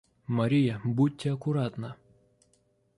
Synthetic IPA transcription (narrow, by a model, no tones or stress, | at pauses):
mɐɾʲijɐbut̚ʲtʲːɪɐkʊɾat̪nɐ